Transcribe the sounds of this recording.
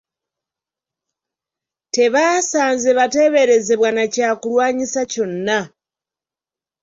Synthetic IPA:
te̞βaːsaːnzeβate̞βe̞ɾe̞ze̞βwanacaːkulwaːɲisaco̞nːa

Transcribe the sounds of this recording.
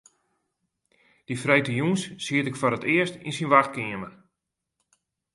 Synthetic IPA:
d̥ifrɛjtəjunssiətɪkfoɾətɪərstinsinʋaxt̚kɪəmən

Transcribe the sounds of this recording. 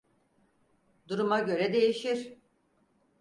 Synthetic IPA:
d̪uɾumaɟø̞ɾɛd̪e̞jiʃiɾ̥

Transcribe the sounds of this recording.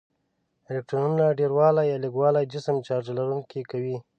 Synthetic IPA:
ɪlek̚ʈɾununaɖeɾwɑlajɑliɡwɑlad͡ʒɪsəmt͡ʃɑɾd͡ʒalaɾuŋkikawi

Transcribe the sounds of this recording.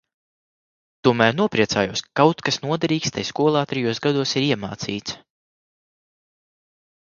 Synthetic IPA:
t̪uɔmæːɾnuɔpɾiɛt̪saːjuːskawt̪kasnuɔd̪ɛɾiːkst̪ajskuɔlˠaːt̪ɾɛjuɔsɡad̪uɔsiɾiɛma̰ːt̪sḭːt̪s

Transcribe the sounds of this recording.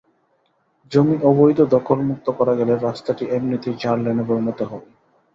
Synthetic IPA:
d͡ʑomiʔobojd̪od̪ɔkʰolmuk̚t̪okɔɾaɡɛleɾast̪aʈiʔebnit̪id͡ʑaɾleneboɾinot̪eɦɔbe

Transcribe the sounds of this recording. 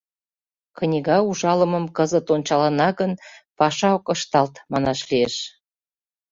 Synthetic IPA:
knʲiɣɑuʒɑləmə̆mkəzət̪onʲt͡ɕɑlənɑɣənpɑʃɑokəʃt̪ɑlt̪mɑnɑʃlieʃ

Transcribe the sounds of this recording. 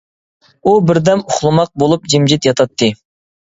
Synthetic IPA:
ubɪɾd̪ɛmʊχlˠɨmɑq̚bolˠup̚d͡ʒimd͡ʒit̪jɑt̪ʰɑt̪ʰːɨ

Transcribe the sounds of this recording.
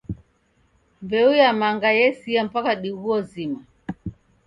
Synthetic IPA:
mvɛujamaŋɡajɛsiam̩pakaɗiɣuɔzima

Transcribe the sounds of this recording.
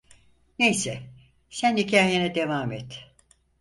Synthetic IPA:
nejsɛ | sænhicʰaːjenɛd̪e̞vaːmɛt̪

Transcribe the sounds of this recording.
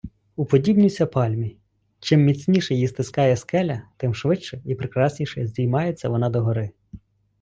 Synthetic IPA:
upɔdʲibnʲisʲɐpɑlʲmʲi | t͡ʃɪmːʲit͡sʲnʲiʃɛjist̪ɪskɑjɛskɛlʲɐt̪ɪmʃʋɪt͡ʃt͡ʃɛipɾɪkɾɑsʲnʲiʃɛzʲdʲijmɑjet͡sʲːɐʋɔnɑd̪ɔɦɔɾɪ

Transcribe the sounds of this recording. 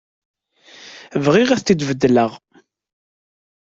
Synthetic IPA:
vʁiʁæθid̪vəd̪ːləʁ

